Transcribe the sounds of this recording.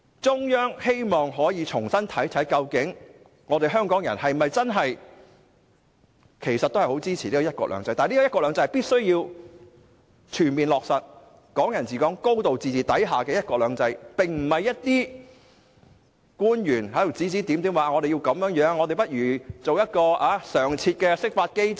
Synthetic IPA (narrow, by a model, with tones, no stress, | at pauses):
t͡sʊ˥ŋjœː˥ŋhe˥jmɔː˨˩ŋɦɔː˨˥jiː˨˧t͡sʰʊ˨˩ŋsɐ˥nt̪ʰɐ˨˥jtʰɐ˨˥jkɐ˧wkɪ˨˥ŋ | ŋɔː˨˧t̪e˨jɦœː˥ŋkɔː˨˥ŋjɐ˨˩nhɐ˨jmɐ˨jt͡sɐ˥nɦɐ˨j | kʰe˨˩jsɐ˨t̚t̪o˥hɐ˨˩ho˨˥wt͡siː˥t͡sʰiː˨˩iː˥kɔː˨˧jɐ˥t̚kɔ̰˧k̚lœ̰ː˨˧˥ŋt͡sɐ˧jt̪aː˨niː˥˧˦kɔː˧klœː˨˧ŋt͡sɐ˧jpiː˥t̚sɵ˥ɥjiː˧w | t͡ʃʰyː˨˩nmiː˨nlɔː˨k̚sɐ˨t̚ | kɔː˨˥ŋjɐ˨˩nt͡siː˨˩kɔː˨˥ŋko˥wt̪o˨wt͡siː˨˩t͡sʰiː˨˩t̪ɐ˨˥jɦaː˨˩kɛː˧jɐ˥t̚kɔː˧k̚lœː˨˧ŋt͡sɐ˧jpɪ˨ŋm̩˨˩mɐ˨jːɐ˥t̚t̪iː˥ | kuː˥njyː˨˩nhɐ˨˥j̪o˨˩t͡siː˨˥t͡siː˨˥t̪i˨˥mt̪i˨˥mwaː˨˧ŋɔː˨˧ɾe˨ji˧wkɐ˨˧˥mjœː˨˥ŋjœː˨˥ŋːɔː˨˧e˨jpɐ˥t̚ɥyː˨˩t͡so˨wjɐ˥t̚kɔː˧ʔaː˨˧˥sœː˨˩ŋt͡sʰiː˧t̚kɛː˧sɪ˥k̚faː˧t̚ke˥j